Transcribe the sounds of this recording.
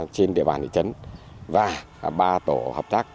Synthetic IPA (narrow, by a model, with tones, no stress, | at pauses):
t͡ɕe˧nɗḭ˧˨əɓaː˨˩nt̪ḭ˧˨t͡ɕə˨˦n | vaː˨˩ | ɓaː˧t̪o˧˩həː˨˩p̚t̪aː˦˥k̚